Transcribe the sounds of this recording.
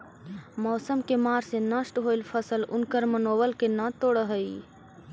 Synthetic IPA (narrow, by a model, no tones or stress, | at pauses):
mɔːsəmkemaːɾsenəʃʈɦoːilpʰəsəlʊ̰nkəɾmənoːbəlkenãt̪oːɽəɦəi